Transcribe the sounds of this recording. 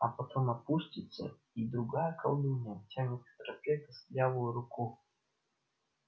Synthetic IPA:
ɐpɐt̪omɐpuʂtʲɪt̪sə̰ | id̪ɾʊɡajəkʰɐ̰lˠd̪unʲətʲamʲɪt̪t̪ɾɐpʲet̪ɨslʲjʲavʊjʊɾʊku

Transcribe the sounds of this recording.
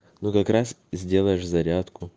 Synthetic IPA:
nukɐkɾas | zʲdʲe̞lˠəjɪʂzɐɾʲat̪kʊ

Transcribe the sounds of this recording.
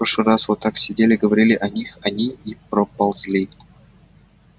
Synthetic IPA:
oʂɨrasvot̪ːaksʲɪdʲelʲɪɡəvɐɾʲilʲɪʔɐnʲixɐnʲiipɾəpɐlˠzʲlʲi

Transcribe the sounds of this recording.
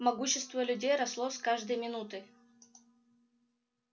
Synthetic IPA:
mɐɡuɕːɪst̪vəlʲʉdʲejɾɐslˠoskaʐd̪əjmʲɪnut̪ɨ

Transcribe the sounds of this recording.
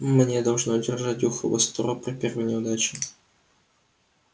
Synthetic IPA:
mnʲed̪ɐlˠʐnodʲɪrʐat̚ʲjuxəvə̰st̪oɾopɾʲɪpʲervɨnʲɪʊd̪at͡ɕɪ̥

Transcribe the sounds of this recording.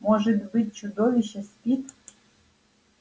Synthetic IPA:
moʒɨt̪bɨt̪̚ʲt͡ɕud̪oʋʲiɕesʲpʲit̪

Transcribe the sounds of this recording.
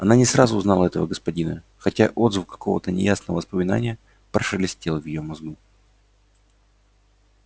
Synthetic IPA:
ɐnanʲɪsɾazʊːznɑlˠəɛt̪əvəɡəspɐdʲinə | xɐtʲaʔo̞d̪zvʊfkːɐ̥kʰo̞̰və̰t̪ənʲɪ̰jasnəvəvəspəmʲɪna̰nʲɪjə | pɾəʂəlʲɪsʲtʲelˠvjɪjomɐzɡu

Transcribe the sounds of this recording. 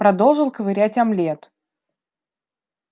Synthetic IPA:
pɾɐd̪o̞lˠʐɨlˠkəvɨɾʲætʲɐmlʲet̪

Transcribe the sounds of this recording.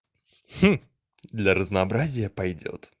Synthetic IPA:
x̩ | d̪lʲɐɾɐznɐːbɾazʲijɐpajd͡zʲɔ̰t̪

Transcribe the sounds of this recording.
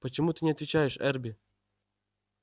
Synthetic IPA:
pət͡ɕɪmut̪ɨnʲɪɐt̪vʲɪt͡ɕajɪʂɛ̰rbʲɪ

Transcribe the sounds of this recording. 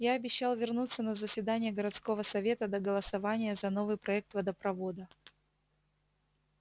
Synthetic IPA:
jaɐbʲɪɕːalˠvʲɪrnut̪sːənəzəsʲvʲɪd̪anʲɪjəɡəɾɐt̪sko̞vəsɐvʲe̞t̪əd̪əɡəlˠəsɐvanʲɪjəzɐno̞vɨjpɾɐɛk̚t̪vəd̪əpɾɐvo̞d̪ə

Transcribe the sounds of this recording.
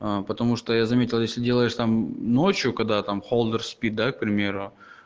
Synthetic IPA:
əpət̪ɐmuʂt̪ojazɐmʲetʲɪlˠjesʲlʲɪdʲe̞lˠəjɪʂt̪amno̞t͡ɕjʊkɐɡ̚d̪at̪amxolˠd̪ərspʲit̪̚d̪ak̚pɾʲɪmʲe̞ɾʊ

